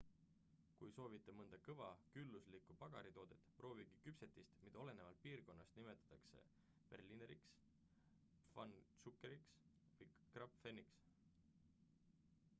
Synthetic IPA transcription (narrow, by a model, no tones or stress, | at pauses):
kujso̞ːvit̪ːˑemɤnd̪̥ɑkɤvɑkylːuslikːˑupɑɡ̥ɑɾit̪o̞ːd̪̥e̞t̪ːˑpro̞ːviɡikypse̞t̪ːˑist̪mid̪ɑo̞le̞ne̞vɑlt̪̚piːrko̞nːɑst̪nime̞t̪ːˑɑ̥t̪ːˑɑkse̞̰ | pe̞̰rlineɾḭks | fɑ̰nsukːˑeɾiks | vɯjkrɑpfenːiks